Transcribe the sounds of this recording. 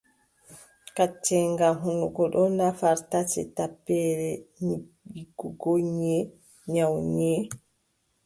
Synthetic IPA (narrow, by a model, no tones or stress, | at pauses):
kat͡ʃːɛŋɡamɦunuɡɔɗɔnafaɾtatɛ̰tapːɛɾɛi | iɡuɡoɲːɛ | ɲawɲɛ